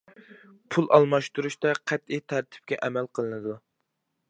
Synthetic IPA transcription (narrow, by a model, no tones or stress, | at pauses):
pʰulˠʔɑ̰lˠmɑʃt̪uɾuʃt̪ɛqʰæt̪it̪ʰæɾt̪ʰɪ̥p̚kʲɛʔɛmælqʰəlˠɨnɨd̪u